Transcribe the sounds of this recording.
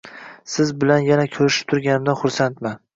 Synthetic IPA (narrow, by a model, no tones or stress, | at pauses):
sɪzbɪlanjanakʲʰɵɾɪʃɪ̥p̚t̪ʰʊɾɡʲanɪmd̪anχʊɾsant̪ma